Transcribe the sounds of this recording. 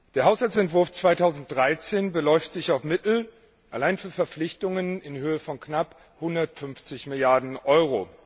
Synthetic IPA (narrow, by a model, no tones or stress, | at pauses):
d̥eːɐɦaʊshalt͡sɛntv̥ʊɐft͡sv̥aɪtʰaʊzn̩t̚d̥ʁaɪt͡seːnbəlɔʏftz̥ɪçaʊfmɪtl̩ | ʔalaɪnfyːɐfɛɐp͡flɪçtʊŋənɪnhøːəfɔnknap | hʊndɐtfʏnft͡sɪçmɪljaɐdn̩ʔɔʏʁ̞o